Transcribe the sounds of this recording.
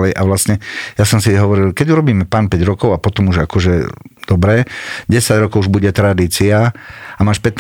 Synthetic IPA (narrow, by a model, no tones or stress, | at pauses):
lɛjʔaʋlast̪ɲɛjasɔmsiɦɔʋɔɾilkɛɟuɾɔbiːmɛpaːnpɛɟɾɔkɔʊapɔt̪ɔmuʒakɔʒɛd̪ɔbɾɛːɟɛsaɟɾɔkɔʊuʒbuɟɛt̪ɾad̪iːt͡siaamaːʃpɛt̪